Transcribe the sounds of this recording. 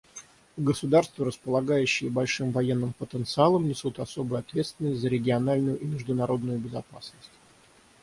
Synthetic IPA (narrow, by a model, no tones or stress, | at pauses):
ɡəsʊd̪arst̪vəɾəspəlˠɐɡajʉɕːɪjəbɐlʲʂɨmvɐjenːɨmpət̪ənt̪sɨalˠəmnʲɪsut̪ɐso̞bɨjʊɐt̪vʲe̞t̪st̪vʲɪnəsʲtʲzəɾʲɪɡʲɪɐnalʲnʊjʊʔimʲɪʐd̪ʊnɐɾo̞d̪nʊjʊbʲɪzɐpasnəsʲtʲ